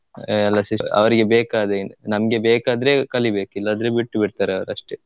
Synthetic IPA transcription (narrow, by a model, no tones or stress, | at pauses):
ɛlːɐsiɐ̰ʋɐɾiɡe̞beːkaːd̪enɐmɐɡe̞beːkaːd̪ɐɾekɐlibe̞ːkuilːaːd̪ɐɾebiʈːubiɽt̪aːɾeɐʋɐɾɐʂʈe